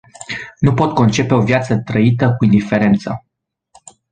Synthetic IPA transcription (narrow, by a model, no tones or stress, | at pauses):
nupo̞t̪̚ko̞nt͡ʃe̞pe̞o̞vjat̪sət̪ɾəit̪əkuind̪ife̞ɾe̞nt̪sə